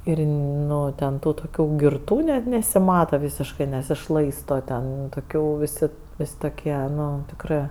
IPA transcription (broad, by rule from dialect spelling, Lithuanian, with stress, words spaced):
ˈɪr ˈnʊ tʲɛn ˈtuː toːˈkʲuː ɡʲɪrˈtuː nʲɛt nʲɛsʲɪˈmɑːtɐ ˈʋʲiːsʲɪʃkɜ nʲɛsʲɪˈʃlˠɐɪstoː ˈtʲɛn toːˈkʲuː ʋʲɪˈsʲɪ ˈʋʲeːsʲ toːˈkʲiɛ ˈnʊ tʲɪkˈrɜ